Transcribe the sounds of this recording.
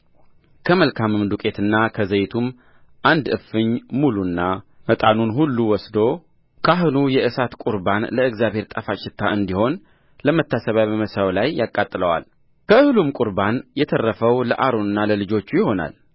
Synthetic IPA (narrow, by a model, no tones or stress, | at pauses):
kʰəməlkʰamːɨmd̪ukʼe̞t̪ʰɨnːakʰəzəjt̪ʰum | ʔand̪ɨ̰fɨɲmulunːamət̪ʼanunɦulːuwɔsd̪o̞ | kʰaɦɨnujɛʔɨsat̪kʼuɾbanləɨɡzjaβhe̞ɾt̪ʼafat͡ʃːɪt̪ʰːaɨnd̪iho̞n | ləmət̪ʰːasəβajbəməsawlajːakʼat̪ʼɨləwa̰l | kʰəɨhɨlumkʼuɾbanjɛt̪ʰərːəfəwlə̰ʔaɾonɨnːaləlɨd͡ʒo̞t͡ʃːujɪho̞na̰l